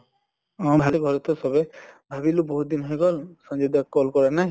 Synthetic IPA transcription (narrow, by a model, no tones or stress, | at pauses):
abʱaliɡʱɔɾɔt̪ɔsɔbebʱabilubɔɦut̪̚d̪inɦɔjɡɔlsɔ̃nd͡ʒɔd̪akːɔlkɔɹanaj